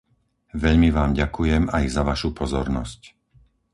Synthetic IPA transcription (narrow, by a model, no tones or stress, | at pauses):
ʋɛʎmiʋaːmɟakujɛmajzaʋaʃupɔzɔɾnɔsc